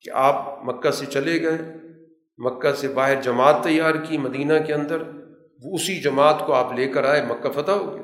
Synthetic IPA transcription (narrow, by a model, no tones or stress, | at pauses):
kḛʔaːp̚mɐkːaset͡ʃɐleɡɐẽ | mɐkːasebaːɦɪɾd͡ʒɐmaːt̪ːɐjːaːɾkimɐd̪iːnakeɐ̃nd̪əɾ | ʋoʊsid͡ʒɐmaːt̪koaːpleːkəɾaːemɐkːafɐt̪aɦoːɡeaː